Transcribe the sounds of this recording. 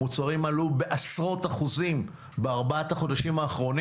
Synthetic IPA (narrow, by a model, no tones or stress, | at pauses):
ut͡saʁimalube̞ʔasʁo̞taχuzim | beaʁbaataχo̞daʃimaːχʁo̞n